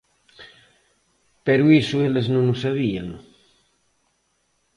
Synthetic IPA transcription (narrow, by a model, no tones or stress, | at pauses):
peɾuisueleznõnusaβia̰ŋ